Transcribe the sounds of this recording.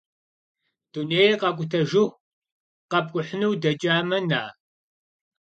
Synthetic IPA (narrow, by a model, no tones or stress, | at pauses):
d̥uneːjqɐkʷʼʊtʰɐʒɪx | qɐb̚ɡʷʼʊħnuwdɐt͡ʃʼaːmɐnaː